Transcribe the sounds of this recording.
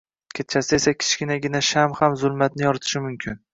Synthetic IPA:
kʲʰet̪̚t͡ʃʰasɪesakʲʰɪ̥t͡ʃkʲɪnaɡʲɪnaʃamhamzʊlˠmat̪̚nɪjɒɾɪt̪ʰɪ̥ʃɪmʊmkʲʰɪn

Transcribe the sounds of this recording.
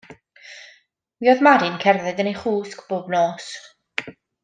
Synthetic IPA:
wiɔðmaɾɨnkʰɛrðɛdənejχuːskb̥oːbnoːs

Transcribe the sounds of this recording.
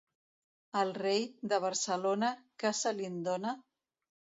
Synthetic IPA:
əlˠrejd̪əβ̞əɾsəlonakasalind̪ona

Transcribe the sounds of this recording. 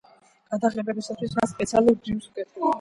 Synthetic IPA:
ɡ̥ad̪aʁɛbɛbisat̪ʰwismaspʼɛt̪sʰialˠuɾd̪ivsɡɛt̪

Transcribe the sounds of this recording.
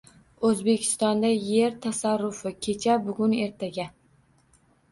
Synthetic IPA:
ɵzbe̞kʲʰɪ̥st̪ɒnd̪ajeɾt̪ʰasaɾːʊfɪkʲʰe̞t͡ʃʰabʊɡʲʊne̞ɾt̪ʰaɡʲa

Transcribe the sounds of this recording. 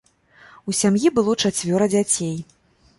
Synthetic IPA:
usʲamjibɨlˠɔt͡ʂat͡sʲvʲɔɾɐd͡zʲat͡sʲej

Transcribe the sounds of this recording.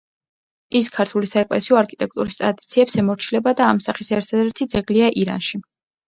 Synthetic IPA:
iskʰaɾt̪ʰulisaɛkʼlɛ̰siɔaɾkʰi̥t̪ʼɛk̚ʰt̪ʼuɾist̪ʼɾad̪it̪sʰiɛpsɛmɔɾt͡ʃʰilɛbad̪aːmsaχisɛɾt̪ʰad̪ɛɾt̪ʰid̪zɛɡliaʔiɾa̰nʃi

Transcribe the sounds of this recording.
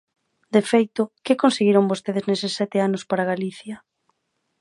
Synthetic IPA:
d̪efejt̪ʊkɪkonseɣiɾoŋbost̪eðeznesɪsːɛt̪ɪanoʊspaɾaɣ̞aliθjɐ

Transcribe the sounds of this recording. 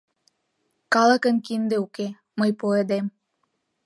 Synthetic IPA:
kɑlˠəkə̆nkind̪ĕuke | məjpoed̪em

